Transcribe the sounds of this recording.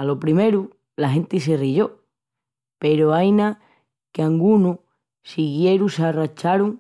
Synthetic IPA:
alo̞pɾime̞ɾu | laɦẽ̞nt̪is̬eriʝo̞ | pe̞ɾoajna | keaŋɡunu | siɣje̞ɾusarat͡ʃaɾuŋ

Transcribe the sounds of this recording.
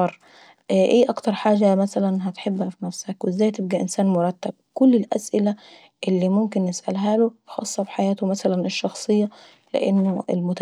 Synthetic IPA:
ɑɾˤ | ʔʔiːʔɑkt̪ɑɾˤħaːʒæmæsælænɦæt̪ħebːhæfinæfsækwezːæːjt̪eb̚ɡæʔensæːnmoɾˤɑt̪ːæb̚kʊlːelʔæ̰sʔɪlæ | ʔelːiːmʊmk̬enjesʔæ̰lɦæːlobxɑ̰sˤːɑfi̥ħajæːt̪omæsælæneʃːɑxsˤɨjːɑ | lḛʔenːoʔḛlmʊt̪

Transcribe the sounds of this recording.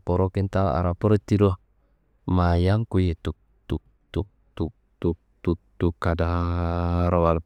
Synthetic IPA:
pɔɾokent̪ala̰ɾapəɾt̪iɾɔh | majaŋkujet̪uk̚ | t̪u | t̪u | t̪u | t̪u | t̪ut̪ukːada | ɾawal

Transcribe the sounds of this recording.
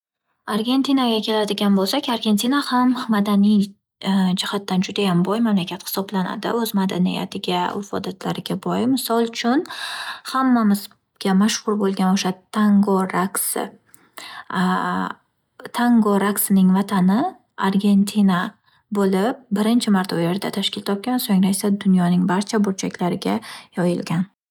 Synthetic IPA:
aɾɡʲe̞nt̪ʰinaɡʲakʲʰe̞lad̪ɪɡʲanbolˠsakʲaɾɡʲe̞nt̪ʰinahamːad̪anij | d͡ʒɪhat̪ːand͡ʒʊd̪ajambɒjmamlakʲat̪hɪ̥sɒblana̰d̪ɪ̰ɵzmad̪anḭja̰t̪ʰɪɡʲaʊ̰fɒ̰d̪at̪ʰlaɾɪɡʲabɒjmɪsɒlˠʊt͡ʃʰʊnhamːamɪz̥ | ɡʲamaʃχʊɾbolˠɡʲanoʃat̪ʰaŋɡoɾaksɪ̰ | t̪ʰaŋɡoɾaksɪnɪŋvat̪ʰanɪ | aɾɡʲe̞nt̪ʰina | bolɪp̚bɪɾɪnt͡ʃʰɪmaɾt̪ʰaʊje̞ɾd̪at̪ʰaʃkʲɪlt̪ʰɒp̚kʲansoŋɾajsad̪ʊnjɒnɪŋbaɾt͡ʃʰabʊɾt͡ʃʰakʲlaɾɪɡʲajɒjɪlɡʲan

